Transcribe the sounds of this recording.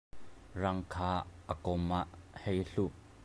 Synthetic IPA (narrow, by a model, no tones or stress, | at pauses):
rɐŋkʰaːʔəkɔmaʔhejɬuʔ